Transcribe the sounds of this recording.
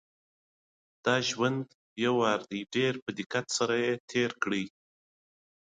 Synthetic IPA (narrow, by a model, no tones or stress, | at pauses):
d̪̥ɑʒwand̪ | bjawɑɾd̪iɖeɾpəd̪ɪkat̪saɾajet̪ʰeɾkɽi